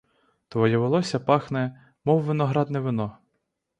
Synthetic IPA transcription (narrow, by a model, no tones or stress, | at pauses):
t̪ʋɔjɛʋɪlˠɔsʲɐpɑxnɛ | mɔwːɪnɔɦɾɑd̪nɛʋɪnɔ